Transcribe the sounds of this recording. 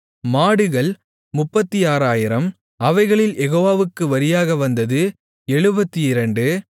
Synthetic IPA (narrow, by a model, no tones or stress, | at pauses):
maːɽɯɣɐɭ | mʊpːɐt̪ːiaːɾaːjɪɾɐm | ɐʋɐɪɣɐɭɪljɛɣoːʋaːʋɯkːɯʋɐɾɪjaːɣɐʋɐnd̪ɐðɯ | ɛɻɯbɐt̪ːiɪɾɐɳɖɯ